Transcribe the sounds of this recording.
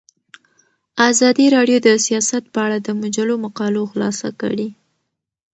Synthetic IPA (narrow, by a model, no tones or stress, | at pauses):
azɑd̪iɾɑɖjod̪əsijɑsat̪̚pəaɽad̪əmʊd͡ʒalomaqɑloxlɑ̰sa̰kə̰ɽi